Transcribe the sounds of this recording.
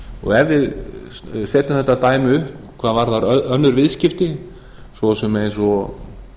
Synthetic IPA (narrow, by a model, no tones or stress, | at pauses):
ɔ̰ɣɛvɪð | sɛːt̪ʏmθɛht̪ːat̪aːjmɪʏhpkʰvaːðvaɾðaɾœnːʏɾvɪðscɪft̪ɪ | svɔsɛmejnsɔ